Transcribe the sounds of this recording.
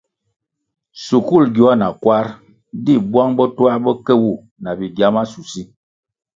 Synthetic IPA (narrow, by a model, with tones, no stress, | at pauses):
su˨ku˦˨lɡu˨a˦na˨kwa˦ɾ | di˦˨bwa˦ŋbɔ˦twa˦bɔ˦kɛ˦wu˦˨ | na˨bi˨ɡja˦ma˦su˨si˦